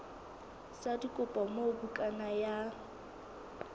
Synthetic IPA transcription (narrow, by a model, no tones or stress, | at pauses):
sadikʼʊpʼamobukʼanaja